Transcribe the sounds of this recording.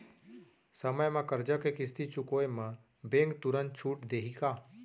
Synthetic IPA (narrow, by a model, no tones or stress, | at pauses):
səməjmãkəɾd͡ʒakekɪst̪it͡ʃʊkoemã | bẽŋkt̪uɾənt͡ʃʰuːʈd̪eɦika